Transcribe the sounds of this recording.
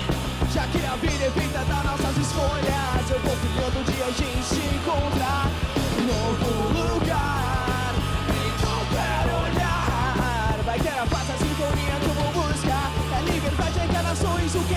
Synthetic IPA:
ʒ̥akɪɐvid̪ɛfejt̪ɐd̪anɔsɐzɪskoʎɐzewvowfivewd̪ʊd͡ʒiɐʒẽsɪ̃kõt̪ɾaɾnovʊlʊluɡa | ɾeko | kɛɾoʎa | ɾvajt̪eɾafasɐsĩnt̪oniɐkõwmoboska | ɐlibeɾvajd͡ʒɪek̪alasõj̃zʊkɪ

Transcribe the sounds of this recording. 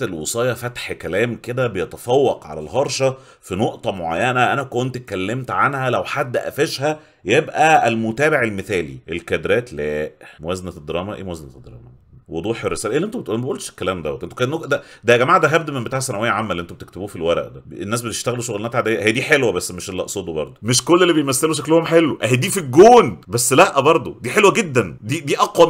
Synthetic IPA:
t̪elwesˤɑːjɑfæt̪ħkælæːmked̪æbejet̪æfɑwːɑqʕa̰lælɦɑɾˤʃɑ | finoʔt̪ˤɑmoʕa̰jːænæʔænækont̪et̪̚kælːemt̪ʕanhælæwħad̪ːʔæ̰feʃhæ | jebʔæælmot̪æːbeʕelmeθæːlḭʔelkæd̪ɾæːt̪læːʔmowæzænæd̪ːeɾˤɑːmæʔḛːmowæzænæd̪ːeɾˤɑ̰ːmæ | wod̪ˤuːħerːesæːlæʔeːlːʔent̪oet̪læmæʔuːlʃe̥kːælæːmd̪æwæt̪ʔent̪o̥kːnːod̪æd̪æɡæmaːʕd̪æɦæb̚d̪æmembet̪aʕsːænæwejːæʕamːælʔent̪obet̪e̥kt̪ebuːfilwæɾˤæ̰ʔd̪æenːæːs̬bet̪e̥ʃt̪æɣeluʃoɣlenæt̪aʕd̪ejːæhejːæd̪iːħelwæbæsːmeʃelːɑ̰ʔsˤoːd̪obɑ̰ɾˤd̪ˤmeʃkolːelːibejmæsːeloʃ̬æklohomħelːwoʔæɦijd̪iːfiɡoːnbæsːlæʔːæbɑɾˤd̪ˤod̪iːħelwæɡed̪ːænd̪id̪iːʔɑqwæ

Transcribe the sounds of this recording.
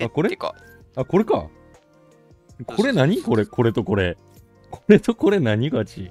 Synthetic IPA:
akoɾḛ | ako̞ɾe̞ka̰ | kʰo̞ɾe̞naɲ̟iko̞ɾe̞kʰo̞ɾe̞t̪o̞ko̞ɾe | kʰo̞ɾet̪o̞ko̞ɾe̞naɲ̟iɡat͡ɕḭ

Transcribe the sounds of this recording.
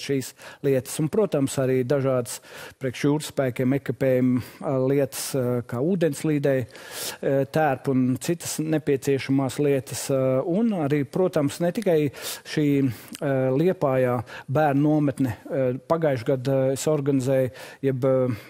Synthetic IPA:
ʃiːslˠiɛt̪ə̥sunpɾuɔt̪amsaɾiːd̪aʒɑːd̪əspɾiɛkʃjuːɾspæːkʲɛmɛkapɛːjumlˠiɛt̪ə̥skɑːuːd̪ɛnslˠiːd̪ɛj | t̪æːɾpunt̪sit̪ə̥snepiɛt̪siɛʃamaːslˠiɛt̪ə̥sunaɾiːpɾuɔt̪amsnɛt̪ikajʃiː | lˠiɛpaːjaːbæːɾnnuɔmɛt̪nɛpaɡajʃɡad̪esɔɾɡanɪzɛːjjɛb

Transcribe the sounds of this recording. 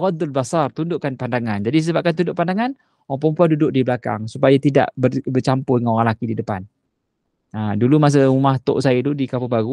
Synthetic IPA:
ɣɔd̪albasart̪undʊʔkanpandaŋand͡ʒadis̬əbap̚kant̪̬undʊʔpandaŋan | oɣaŋp̬ɔmpuandudʊʔ̚dibəlaka̰ŋsupajat̪ida̰ʔbəbərt͡ʃampʊdəŋanoɾaŋlakididəpan | adulumas̬əumaht̪ʊ̰ʔsajat̪udikapubaɡu

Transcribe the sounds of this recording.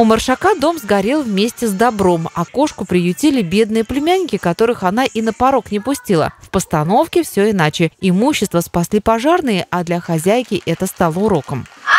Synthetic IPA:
ʊmərʂɐkad̪o̞mzɡɐɾʲelˠvmʲesʲtʲɪzd̪ɐbɾo̞mɐko̞ʂkʊpɾʲɪjʊtʲelʲɪbʲe̞d̪nɨjəplʲɪmʲænʲːɪkʲɪkɐt̪o̞ɾɨxɐn̪aʔinəpɐɾo̞knʲɪpʊsʲtʲilˠə̰fpəst̪ɐno̞fkʲɪfsʲɵɪnat͡ɕɪɪmuɕːɪst̪vəspɐsʲlʲipɐʐarnɨjəʔɐd̪lʲɐxɐzʲæjkʲɪʔɛt̪əst̪alˠəʊɾo̞kəm

